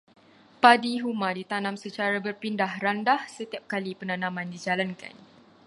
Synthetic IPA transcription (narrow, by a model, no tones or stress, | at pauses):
padiɦumãdit̪anãmsət͡ʃaɾabərpindahrandahsət̪iap̚kalipənãnãmãndid͡ʒalanka̰n